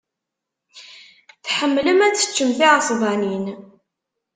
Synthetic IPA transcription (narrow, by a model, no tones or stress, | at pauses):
θħəmːləmæt͡sːə̥t͡ʃːəmθiʕəsˤvɑnin